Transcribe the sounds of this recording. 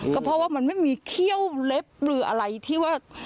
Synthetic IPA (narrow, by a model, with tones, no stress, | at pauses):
kɔː˥˩pʰɔ˧˥waː˥˩ma˧nma˥˩jmiː˧kʰi˥˩əwle˦˥p̚ɾɯː˨˦ʔa̰˧ɾa˧jt̪ʰiː˥˩waː˥˩